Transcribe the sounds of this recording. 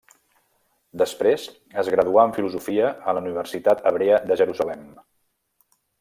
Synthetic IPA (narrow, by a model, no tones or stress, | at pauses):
d̪əspɾez | əzɣɾəðuaəɱfiluzufiəələuniβ̞əɾsit̪at̪əβ̞ɾeəðəʒəɾuzəlɛm